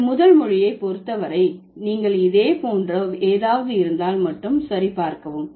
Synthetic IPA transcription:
mʊðɐlmʊɻɪjɐɪpɔɾɯt̪ːɐʋɐɾɐɪ | niːŋɡɐɭɪðeːpoːndrɐeːðaːʋɐðɯɪɾɯnd̪aːlmɐʈːɯmsɐɾipaːɾkɐʋɯm

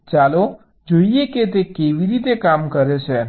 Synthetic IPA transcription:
t͡ʃalo | d͡ʒoijeket̪̬ekeʋiɾit̪ekamkəɾet͡ʃʰe

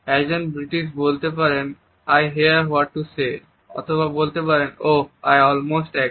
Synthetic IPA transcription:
ɛkd͡ʑonbɾiʈiʃ̬bolt̪epaɾen | ajɦiaɾwɔʈːuse | ɔ̰t̪ʰobabolt̪epaɾenoa̰jɔlmosʈɛ

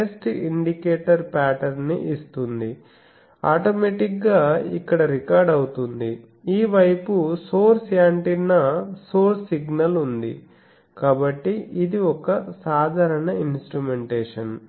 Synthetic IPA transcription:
esʈiɳɖikeːʈɐɾpaːʈɐɾnḭʔist̪und̪i | aːʈomeːʈikɡaːikːɐɽɐɾikaːɾɖɐwut̪und̪i | iːʋɐjpusoːɾsjaːɳʈinːɐsoːɾsiɡnɐlund̪ḭ | kaːbɐʈːiid̪iɔkɐsaːd̪ʱaːɾɐɳɐinsʈɾumeɳʈeːʂɐn

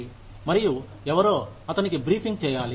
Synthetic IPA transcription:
i | mɐɾiju | ɛʋɐɾoːɐt̪ɐnikibɾiːpʰiŋɡ̚t͡ʃɛːjaːli

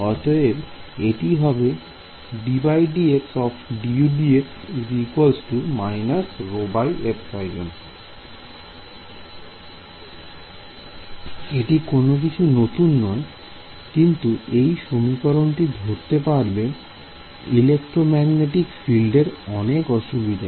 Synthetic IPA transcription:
ɔt̪oebeʈiɦɔbe | ɖibajɖieksɔfɖiuɖieksɾikolsʈumajnasɾobajepsajd͡ʒon | eʈikonok̬it͡ɕʰunot̪unːɔe | kint̪uejʃomikɔɾonʈid̪ʱoɾt̪epaɾbe | ilek̚ʈɾomɛɡneʈikfilɖeɾɔnekɔʃubid̪ʱa

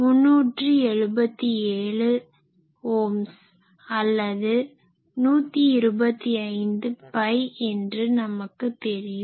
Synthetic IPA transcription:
mʊnːuːʈrɯɛɻɯbɐt̪ːieːɭɯ | hoːms | ɐlːɐðɯ | nuːt̪ːiɪɾɯbɐt̪ːiɐɪnd̪ɯpɐɪɛndrɯnɐmɐkːɯt̪ːɛɾɪjɯm

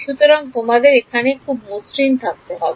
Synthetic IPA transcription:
ʃut̪ɔɾɔŋt̪omad̪eɾekʰanekʰubosɾint̪ʰak̚t̪oɦɔbe

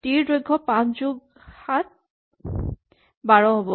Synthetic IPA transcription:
tiɹdɹojɡʱːɔpãszuɡ̚ | hat̚ | baɹɔɦobɔ

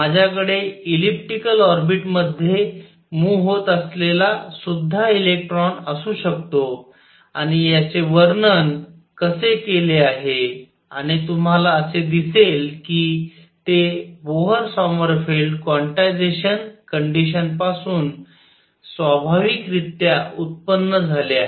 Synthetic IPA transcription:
mad͡ʑʱjakəɽeilip̚ʈikəlɔɾbiʈməd̪ʱːje | muːɦot̪əslelasud̪ʱːailek̚ʈɾɔnəsuːɕəkt̪o | aɽ̃ijat͡seʋəɾnən | kəsekeleaɦe | a̰ɽ̃it̪um̤alaəsed̪iselkiː | t̪eboɦəɾsɔməɾfelɖkʋɔɳʈajd͡zeɕənkəɳɖiɕənpasuːn | sʋabʱaʋikɾit̪jaut̪̚pənːəd͡zʱaleaɦe

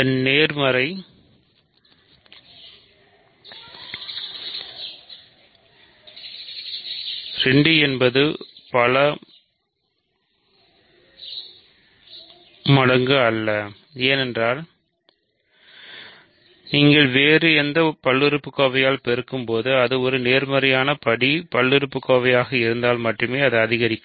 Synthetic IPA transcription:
ɐnːeːɾmɐɾɐɪ | ɾɛɳɖiɛnbɐðɯpɐɭɐ | mɐɽɐŋɡɯɐlːɐ | eːnɛndraːl | niːŋɡɐɭʋeːɾɯɛnd̪ɐpɐɭːɪɾɯpːɯkːoːʋɐjaːlpɛɾɯkːɯmpoːðɯɐðɯɔɾɯneːɾmɐɾɐjaːnɐpɐɽipɐɭːɪɾɯpːɯkːoːʋɐjaːɣɐɪɾɯnd̪aːlmɐʈːrɯmeːɐðɯɐðɪɣɐɾɪkːɯ

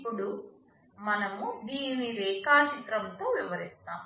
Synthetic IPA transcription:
puɽu | mɐnɐmud̪iːniɾɛːkaːt͡ʃit̪ɾɐmt̪oːʋiʋɐɾist̪aːm

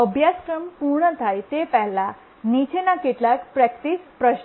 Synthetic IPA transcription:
əbʱjaskɾəmpuɾɳət̪ʰajt̪epɛɦla | nit͡ɕʰenakiʈ̪lakpɾɛkʈ̪ispɾəɕ

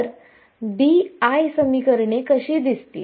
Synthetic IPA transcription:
ɾ | biajsəmikəɾɳekəɕiːd̪ist̪ḭː

